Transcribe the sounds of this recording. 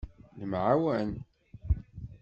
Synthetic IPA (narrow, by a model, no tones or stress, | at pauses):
nəmʕawæn